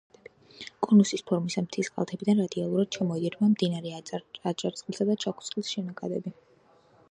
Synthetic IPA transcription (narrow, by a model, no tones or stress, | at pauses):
kʼɔnusispʰɔɾmisamt̪ʰisqʼa̰lˠt̪ʰɛbid̪anɾad̪ialˠuɾad̪̥̚t͡ʃʰamɔid̪iɾbamd̪inaɾɛat͡ʃʼaɾt̪sʼχʼilˠsad̪at͡ʃʰakʰu̥t̪sʼχʼilsʃɛnakʼad̪ɛ̰bi